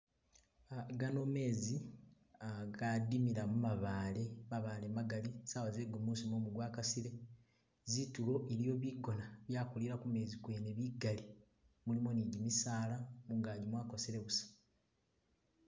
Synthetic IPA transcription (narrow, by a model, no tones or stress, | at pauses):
aɡano̞me̞ːzi | aɡadimiɾamumaβaːle̞maβaːle̞maɡalisaβazeɡomuːsimomuɡwaːkasiɾe̞ | zitulo̞ʔeɾijo̞βiɡo̞naβjaːkuliɾakume̞ːzikweneβiɡali | mulimoniɟimisaːlamuːŋɡaːɟimwaːko̞seɾe̞βusḁ